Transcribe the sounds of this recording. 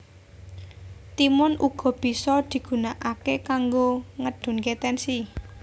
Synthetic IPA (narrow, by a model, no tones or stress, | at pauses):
t̪imɔnʔuɡ̥ɔ̤b̥i̤sɔd̪̥i̤ɡ̥ṳnaʔakekaŋɡoŋəɖ̪̥ʊ̤nket̪ɛnsi